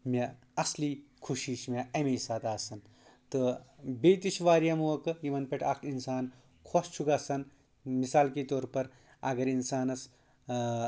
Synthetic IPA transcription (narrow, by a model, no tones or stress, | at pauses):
mʲe | ɐsliːkʰuʃiːʃmʲeɐmesaːt̪aːsɐn | t̪ɨbeːt̪iʃʋaːɾjɐmuʋɐkɨjimɐnpʲeʈʰɐkʰinsaːn | kʰoːst͡ʃʰuɡaːsɐn | misaːlket̪oːɾpɐɾ | ɐɡɐɾinsaːnɐs